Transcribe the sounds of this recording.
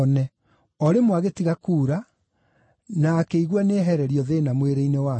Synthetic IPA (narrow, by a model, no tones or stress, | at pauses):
nɛ | ɔɾemwaɣetiɣakuːɾa | nakeiɣwaneɦɛɾɛɾiɔðenamweɾeinewa